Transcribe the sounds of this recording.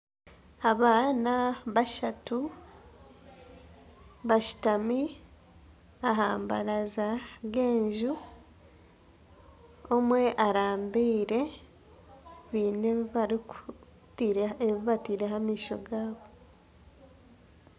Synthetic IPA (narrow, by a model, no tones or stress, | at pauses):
aβaːnaβaʃatu | βaʃi̥tami | aɦaːmbaɾazaɡe̞ːɲʒu | omwe̞ʔaɾaːmbiːɾe̞ | βiːneβaɾiku | tiɾeβiβatiːɾeɦamiːʃo̞̰ɡaːβo̞